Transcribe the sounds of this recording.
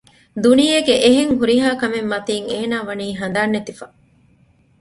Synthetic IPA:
d̪unijeɡeʔeɦeŋɦuɾiɦaːkɐmemːɐt̪iːŋeːnaːʋɐniːɦɐnd̪aːnːet̪ifɐ

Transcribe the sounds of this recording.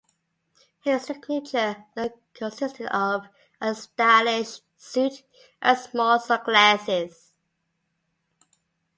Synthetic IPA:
hɪssɪkʰlit͡ʃəðəkʰə̃nsɪstɪdəv | əstælɪʃ | sʉt | ʔəsmɔlˠsəklæsɪz̥

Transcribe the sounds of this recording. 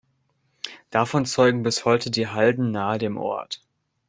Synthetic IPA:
d̥afɔnt͡sɔʏɡŋ̩bɪshɔʏtʰədiːɦaldn̩naːədeːmʔɔ̰ɐt

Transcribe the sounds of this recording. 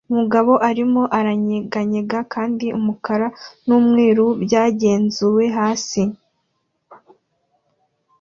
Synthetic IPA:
umuɡaβo̞ʔaɾimo̞ʔaɾaɲeɡaɲeɡakʰaːndiʔumukaɾanuːmŋiːɾubjaːɟe̞ːnzuwe̞ɦaːsi

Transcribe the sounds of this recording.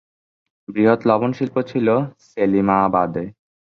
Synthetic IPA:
bɾiɦot̪lɔbonʃilpot͡ɕʰiloselimabad̪e

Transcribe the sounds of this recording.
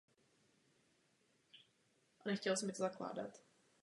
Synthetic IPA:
ʔanɛxcɛlsɛmɪt̪ozakla̰ːda̰t̪

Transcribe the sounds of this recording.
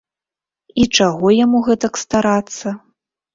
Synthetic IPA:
it͡ʂaɣɔjamuɣɛt̪ɐkst̪aɾat̪sːɐ

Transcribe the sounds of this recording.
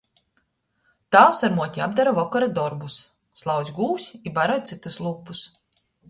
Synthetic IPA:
t̪awsaɾmuɔt̪ʲiab̚d̪aɾavɔkɔɾad̪ɔɾbusː | lˠawzʲɡuːsʲibaɾɔjtt̪sit̪uslˠuːpus

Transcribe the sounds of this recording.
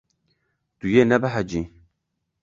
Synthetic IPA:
tujenabaɦad͡ʒĩ

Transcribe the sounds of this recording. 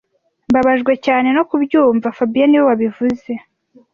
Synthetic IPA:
mbaβaʒɡwe̞caːne̞no̞kubjuːɱvafabijaniwo̞waβivuze̞

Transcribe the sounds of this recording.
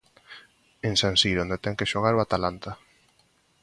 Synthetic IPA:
ensansiɾond̪et̪ɛŋkeʃoɣ̞aɾwat̪alant̪a

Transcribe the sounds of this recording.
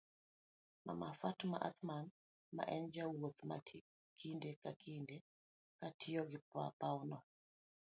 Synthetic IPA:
ma̰mafatma̰ʔa̰t̪man | ma̰ʔɛnd͡ʒawot̪ma̰i | kʰindekakʰinde | katʰɪjɔɡɪpa̰paunɔ

